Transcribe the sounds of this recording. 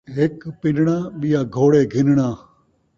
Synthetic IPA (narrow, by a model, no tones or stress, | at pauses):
ɦɪkpɪnɳaːɓɪjaːɡʱoːɽeːɡʱɪnɳaː